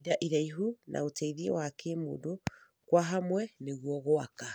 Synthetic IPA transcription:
ðaʔiðaiɦunʔa̰otaiðiḛwakemo̰do | kwaɦamwɛneɣwɔɣoaka

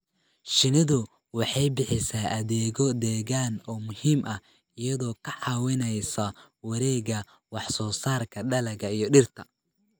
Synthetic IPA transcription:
ʃɪnɪðʊ | wɑħɑjbɪħɪsaːʔɐðɛːɣɔd̪ɛːɣaːnɔːmʊhiːmʔɐ | ɪjɐðɔːkʰɐʕɑːwɛnɛjsɐ | wɐɾɛːɣɐ | wɑħsɔːsaːrkʰɐɖɐlɐɣɐijɞɖɪrt̪ʰɐ

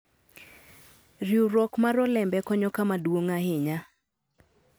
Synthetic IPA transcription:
riuɾɔkmaɾɔlɛmbɛkɔɲɔkamadwoŋahɪɲa

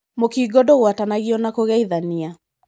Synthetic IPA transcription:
mokiːɡɔdɔɣwatanaɣiɔnakoɣɛiðania

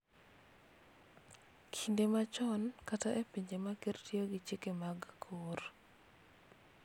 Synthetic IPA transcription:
kʰindemat͡ʃɔnkataʔepiɲd͡ʒemakertioɡit͡ʃekemaɡkʰor

